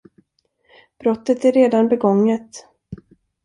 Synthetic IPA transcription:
b̥ɾɔt̪ːət̪æɾɾeːd̪anbɛɡɔŋːət̪

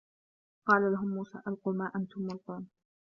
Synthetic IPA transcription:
qɑːlalaɦʊmːuːsa̰ːʔalquːmaːʔant̪ʊmːʊlt̪ˤuːn

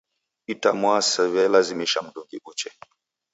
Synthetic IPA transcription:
itamwasɛβɛlazimiʃam̩ɗuŋɡiʔut͡ʃɛ

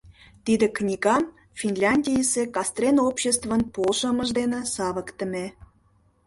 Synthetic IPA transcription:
t̪id̪ĕknʲiɡɑm | fʲinlʲɑnʲdʲijəsekɑst̪rʲenopɕest̪vənpolʃə̆məʒd̪enĕsɑβəkt̪ə̆me

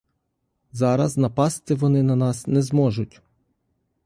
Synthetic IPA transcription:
zɑɾɐznɐpɑst̪ɪʋɔnɪnɐnɑsnɛzmɔʒʊtʲ

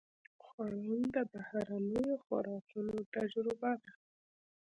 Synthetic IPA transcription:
xwɑlund̪əbahaɾanəjoxʊ̰ɾɑkunot̪ad͡ʒɾɪbad̪a

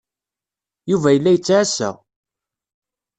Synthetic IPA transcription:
juvæjəlːæjət͡sːaʕasæ̰

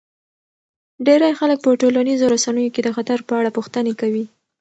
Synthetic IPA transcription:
ɖeɾajxalək̚pəʈolanizoɾasanəjoked̪əxat̪aɾpəaɽapuxt̪ənekawi

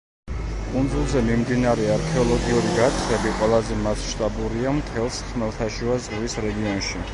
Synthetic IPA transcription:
kʼund̪zulˠzɛmimd̪inaɾɛaɾkʰɛɔlˠɔɡiuɾiɡat̪ʰχɛbiqʼwɛlˠazɛmassʃt̪ʼabuɾiamt̪ʰɛlˠsχmɛlˠt̪ʰaʃuazʼʁvisɾɛɡiɔnʃi

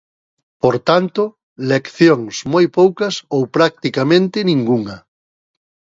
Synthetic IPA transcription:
poɾt̪ant̪ʊ | lekθjoŋsmojpowkɐsowpɾak̚t̪ikamẽnt̪ɪnĩŋɡuŋɐ

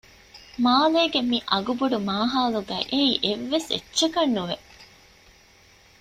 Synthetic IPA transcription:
maːleːɡemiʔɐɡubuɖumaːɦaːluɡæ̰ːʔeiːʔeʋːesḛtːʃɐkɐnːuʋeʔ

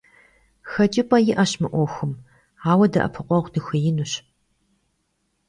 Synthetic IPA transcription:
xɐt͡ʃʼipʼɐjɪʔɐɕmɨʔʷɔxɨm | aːwɐdɐʔɐ̰pʰɨqʷɔʁʷdɨxɨjɪnuɕ

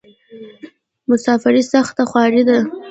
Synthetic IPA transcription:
mʊsɑfɪɾisaxt̪axwɑɾid̪a

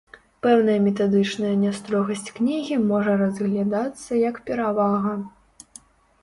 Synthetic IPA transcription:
pɛwnɐjɐmʲɛt̪ad̪ɨt͡ʂnɐjɐnʲast̪ɾɔɣɐsʲt͡sʲknʲiɣʲimɔʐɐrɐzɣlʲad̪at̪sːɐjɐkpʲɛɾavaɣɐ

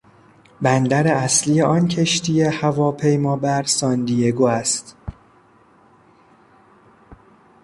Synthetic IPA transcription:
bænd̪æɾeæsliːjeʔɒːncʰe̞ʃt̪ʰijehævɒːpʰe̞jmɒːbæɾsɒːnd̪ijeɡoːæst̪

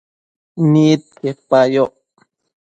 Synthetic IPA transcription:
nit̪̚kehpajoʔ

